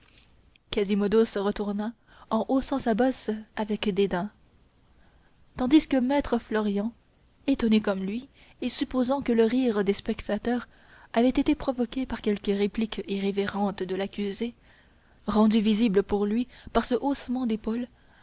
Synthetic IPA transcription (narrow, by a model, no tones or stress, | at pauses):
kazimɔd̪osəʁət̪uʁna | ɑ̃ʔosɑ̃sabɔsavɛkd̪ed̪ɛ̃ | t̪ɑ̃d̪iskəmɛt̪χəflɔʁjɑ̃ | et̪ɔnekɔmlɥi | esypozɑ̃kələʁiʁd̪espɛkt̪at̪œːʁ | avɛt̪et̪epχɔvɔkʲepaʁ̥kʲɛlkəʁeplikiʁeveʁɑ̃t̪d̪əlakʲyze | ʁɑ̃d̪yvizibləpuʁlɥipaʁsəʔosmɑ̃d̪epol